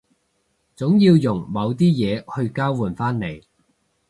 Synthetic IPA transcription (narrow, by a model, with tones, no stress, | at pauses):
t͡sʊ˨˥ŋjiː˧wjʊ˨˩ŋmɐ˨˧wt̪iː˥jɛː˨˧hɵ˧ɥkaː˥wwuː˨˩nfaː˥nne˨˩j